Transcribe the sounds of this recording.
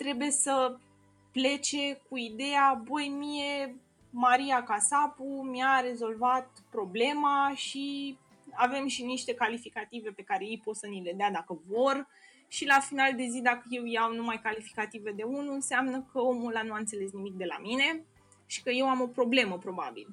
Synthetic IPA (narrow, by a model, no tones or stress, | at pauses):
t̪ɾe̞buje̞sə | ple̞t͡ʃe̞kuid̪e̞jabojmije̞ | maɾiakasapumjaɾe̞zo̞lvat̪̚ | pɾo̞ble̞maʃi | ave̞mʃiniʃt̪e̞kalifikat̪ive̞pe̞kaɾe̞ijpo̞t̪sənile̞d̪ead̪akəvo̞r | ʃilafinald̪e̞zid̪akəje̞wjawnumajkalifi̥kat̪ive̞d̪e̞unuɨnseamnəkəo̞mulanuant̪se̞le̞snimik̚d̪e̞la̰mine̞ | ʃi̥kəje̞wamo̞pɾo̞ble̞məpɾo̞ba̰bḭl